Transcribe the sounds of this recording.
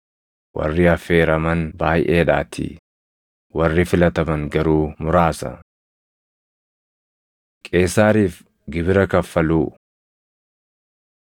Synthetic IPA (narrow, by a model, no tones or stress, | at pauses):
wʔɐ̰rːɪɐfeːɾɐmɐnbaːjʔeːᶑaːt̪ʰɪ̰ | wɐrːɪfɪlɐt̪ɐbɐŋɡɐɾuːmʊɾaːsɐ̰ | kʼe̞ːsːaːɾiːf | ɡɪbɪɾɐkɐfːɐluː